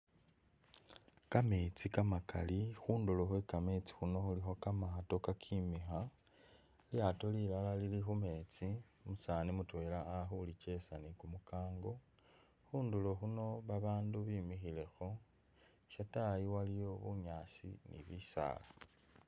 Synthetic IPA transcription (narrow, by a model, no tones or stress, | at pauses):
kame̞t͡sikamaka̰lixuːndulo̞xwekamet͡si̥xuno̞xulixo̞kamaato̞kakʰimixa | ljato̞lilalalilixume̞ːt͡si | musaːnimutwe̞laːxulit͡ʃe̞sanikumukaːŋɡo̞ | xuːndulo̞xuno̞βaβaːnduβimixile̞xo̞ | ʃatajiwalijo̞βuɲaːsḭnḭβisa̰ːla